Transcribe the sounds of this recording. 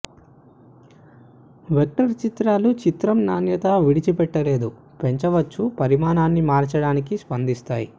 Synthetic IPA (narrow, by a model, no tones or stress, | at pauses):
ʋek̚ʈɐɾt͡ʃit̪ɾaːlut͡ʃit̪ɾɐmnaːnjɐt̪ɐʋiɽit͡ʃipɛʈːɐle̞ːd̪u | pe̞ɲt͡ʃɐʋɐt͡ʃːupɐɾimaːnaːnːimaːɾt͡ʃɐɽaːnikispɐnd̪ist̪aːji